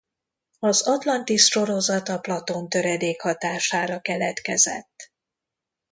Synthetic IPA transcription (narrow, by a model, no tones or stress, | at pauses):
ɒzɒt̪lɒnt̪iʃʃo̞ɾo̞zɒt̪ɒplɒt̪o̞nt̪øɾɛd̪eːkhɒt̪aːʃaːɾɒkɛlɛt̪kɛzɛ̰t̪ː